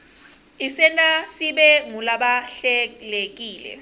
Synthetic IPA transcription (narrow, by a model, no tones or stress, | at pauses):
isɛnasiɓɛŋulaɓaɬɛlek̬ʼiːlɛ̰